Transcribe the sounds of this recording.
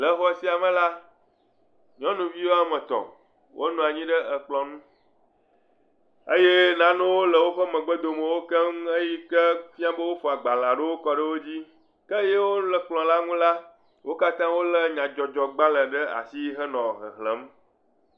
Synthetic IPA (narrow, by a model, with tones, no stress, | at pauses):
lə˦xɔ˦si˦a˨mə̃˨la˦ | ɲɔ̃˦nũ˨vi˦wo˦a˨mə̃˨t̪ɔ̰̃˨ | wʔo̰˦nũ˨a˨ɲĩ˦ɖə˦ə˨k͡plɔ̃˨nũ˦ | e˦je˦nã˦nɛ̃˦wo˦lə˨wo˦ɸə˦mə̃˨ɡ͡bə˦d̪o˨mẽ˨wo˦kə˦m˦e˦ji˦kə˦fi˦a˦bə˦wo˦fɔ˨a˨ɡ͡ba˨l̃ã˨ɖə˦wo˦kɔ˨ɖə˦wo˦d͡ʑi˦ | kə˦je˦wo˦lə˨k͡plɔ̃˨la˦ŋũ˦la˦ | wo˦ka˦t̪ã˦wo˦lə˦ɲã˨d͡ʒɔ˨d͡ʒɔ˨ɡ͡ba˦lə˨ɖə˦a̰˨si˦ɦə˦nɔ̃˨ɦə̰˨ɦlə˨˦m